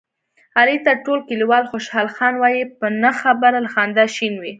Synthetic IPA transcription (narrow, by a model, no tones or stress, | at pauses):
ɑlit̪aʈolkiliwɑlxoʃhɑlxɑnwɑjipənəxabaɾalaxɑnd̪aʃinwi